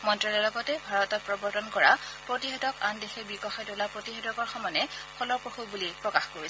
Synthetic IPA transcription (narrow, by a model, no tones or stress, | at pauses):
mɔntɹɔlɔlɔɡɔtɛbʱaɹɔtɔt̚pɹɔbɔɹtɔnkɔɹapɹotiɦɛdɔkandexɛbikɔxajtolapɹotiɦɛdɔkɔɹxɔmɔnɛpʰɔlɔpɹoxubulipɹɔkaxkoɹis